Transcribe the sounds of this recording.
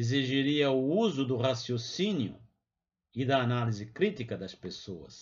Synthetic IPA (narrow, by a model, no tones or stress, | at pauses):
eziʒiɾiɐuuzʊd̪ʊʁasjosinjʊ̰ | ɪd̪ɐːnalizɪkɾit̪ikɐd̪ɐspesoɐ̰s